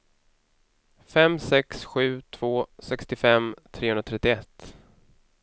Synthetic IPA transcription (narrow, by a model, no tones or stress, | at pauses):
fɛmsɛksɧʉ̟ːt̪ʰv̥oːsɛkst̪ɪfɛmt̪ʰɾeːhɵnɾat̪ɾɛt̪ːɪɛt̪ː